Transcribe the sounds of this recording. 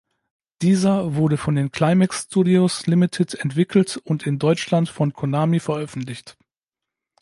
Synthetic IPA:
d̥iːzɐvʊɐɾəfɔndeːnkʰl̥aɪmɛkstuːdioslɪmɪtʰɪtɛntv̥ɪkl̩tʊntɪndɔʏt͡ʃlantfɔnkʰonaːmifɛɐʔœfn̩tlɪçt

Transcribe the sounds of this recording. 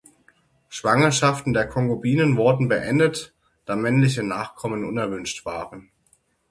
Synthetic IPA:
ʃv̥aŋɐʃaftn̩deːɐkʰɔŋɡobiːnənvʊɐdn̩bəʔɛndət | d̥aːmɛnlɪç̬ənaːχkʰɔmənʔʊ̰nɛɐvʏnʃtv̥aːʁən

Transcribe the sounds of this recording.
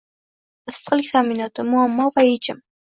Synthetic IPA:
ɪst̪qɨlkʲt̪ʰamɪnɒt̪ɪmʊamːɒvaet͡ʃɪm

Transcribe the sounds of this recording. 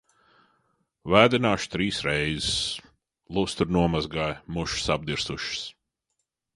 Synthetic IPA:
væːd̪ʲinaːʃu̥t̪ɾiːsɾɛjzɪs | lˠust̪uɾnuɔmazɡaːjmuʃsab̚d̪iɾsuʃɪ̥s

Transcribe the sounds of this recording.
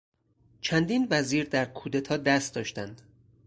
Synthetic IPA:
t͡ʃʰænd̪iːnvæziːɾd̪æɾkʰuːd̪et̪ʰɒːd̪æst̪d̪ɒːʃt̪ænd̪̥

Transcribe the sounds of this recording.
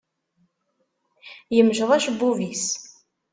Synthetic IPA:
jəmʒʁˤæʃbːuvis

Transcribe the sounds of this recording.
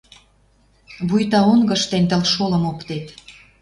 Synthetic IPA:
βujt̪ɑonɡə̆ʃt̪enʲt̪ə̆lʃolə̆mokt̪et̪

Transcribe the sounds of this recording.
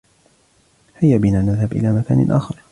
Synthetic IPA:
hajːabinaːnaðhabʔɪ̰laːmaka̰ːnɪ̰ʔa̰ːxɪɾˤ

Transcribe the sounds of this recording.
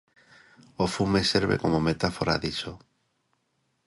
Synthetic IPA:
ofumeseɾβḛko̞momet̪afoɾa̰ðit͡ʃo

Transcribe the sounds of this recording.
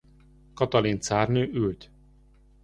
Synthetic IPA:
kɒt̪ɒlint̪saːrnøːʔylt̪

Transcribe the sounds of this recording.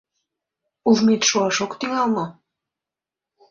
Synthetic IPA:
uvmit̪ʃuɑʃokt̪iŋɑlno

